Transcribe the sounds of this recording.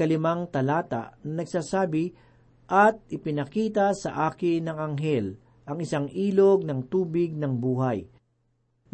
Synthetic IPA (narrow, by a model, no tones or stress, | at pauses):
ɐlɪmaŋt̪ɐlaːt̪a̰ʔnɐnɐɡsaːsaːbɪ | ʔɐt̪̚ʔɪpɪnɐkiːt̪ɐsɐ̰ʔaːkɪnɐŋɐŋɦɛl | ʔɐŋɪsaŋʔiːloɡ̚nɐŋt̪uːbɪɡ̚nɐŋbuːɦaj